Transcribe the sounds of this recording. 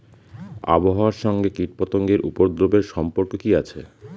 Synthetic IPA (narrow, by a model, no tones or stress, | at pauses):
a̰boɦaoaɾʃɔŋɡekiʈ̚pɔt̪oŋɡeɾʔupoɾd̪ɾobeɾʃɔmpoɾkokiat͡ɕʰe